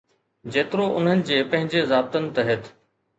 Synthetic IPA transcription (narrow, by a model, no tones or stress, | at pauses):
d͡ʑeːt̪ɪɾoʔʊn̤ənɪ̆d͡ʑeːpɐ̃ɦɪ̃ɲd͡ʑezaːb̚t̪ənɪ̆t̪ɐɦet̪ʰ